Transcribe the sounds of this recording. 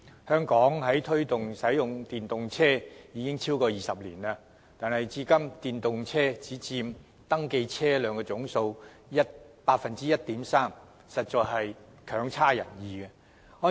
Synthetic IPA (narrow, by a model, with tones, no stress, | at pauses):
hœː˥ŋkɔː˨˥ŋɦɐ˨˥jt̪ʰɵ˥ɥt̪ʊ˨ŋsɐ˨˥jʊ˨ŋt̪iː˨˩nt̪ʊ˨ŋt͡sʰɛː˥jiː˨˧kɪ˥ŋt͡sʰiː˥wkɔː˧jiː˨sɐ˨p̚lḭː˨˩naː˧ | t̪aː˨nhɐ˨jt͡siː˧kɐ˥mt̪iː˨nt̪ʊ˨ŋt͡sʰɛː˥t͡siː˨˥t͡siː˧m | t̪ɐ˥ŋke˧jt͡sʰɛː˥lœː˨˧ŋkɔː˧t͡sʊ˨˥ŋso˧w | jɐ˥t̚paː˧t̚fɐ˨nt͡siː˥jɐ˥t̚t̪iː˨˥msaː˥m | sɐ˨t̚t͡ʃɔː˨˧ɦɐ˨j | kʰœː˨˥ŋt͡sʰaː˥jɐ̰˨˩njiː˨˧kɛ˧ | hɔː˥